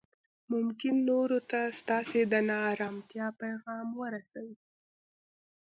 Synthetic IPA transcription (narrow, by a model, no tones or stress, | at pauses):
mʊmkɪnːoɾot̪ast̪ɑsed̪ənɑːɾɑmt̪jɑpajɣɑmwəɾasawi